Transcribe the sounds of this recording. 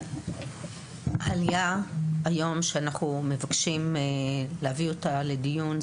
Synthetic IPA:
alijaajo̞mʃeanaχnume̞vakʃim | lehavio̞tale̞dijun

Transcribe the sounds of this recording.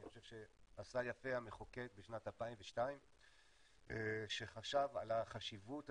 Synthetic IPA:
niχoʃevʃe̞asajafe̞ameχoke̞k̚beʃnatalpaimveʃtaim | ʃe̞χaʃava̰laχaʃivut

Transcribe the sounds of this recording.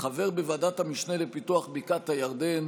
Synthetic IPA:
χave̞ʁbevadathamiʃne̞lepituaχbikat̪hajaʁd̪e̞n

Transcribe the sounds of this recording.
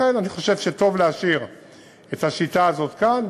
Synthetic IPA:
enaniχo̞ʃe̞v̥ʃeto̞vleaʃiʁ | ethaʃitaːzo̞t̪kan

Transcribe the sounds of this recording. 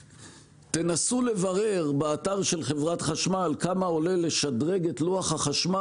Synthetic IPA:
t̪e̞nasule̞vaʁe̞ʁbeat̪aʁʃe̞lχe̞vʁat̪χaʃmalkamao̞le̞le̞ʃadʁe̞ɡe̞tluaχhaχaʃma

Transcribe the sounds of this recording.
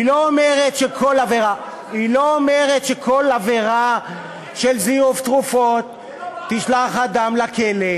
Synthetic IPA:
iloːmeʁet̪ʃekʰo̞laveʁa | iloːmeʁet̪ʃekʰo̞laveʁa | ʃelziuft̪ʁufo̞t̪ː | iʃlaχad̪amlakele

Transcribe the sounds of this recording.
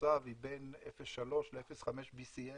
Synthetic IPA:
avibe̞nefesʃalo̞ʃleefesχameʃbisie

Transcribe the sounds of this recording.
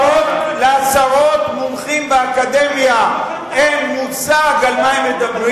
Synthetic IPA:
ot̪leasaʁo̞t̪mumχimbeakad̪emja | emmut͡saɡalmaimed̪abʁi

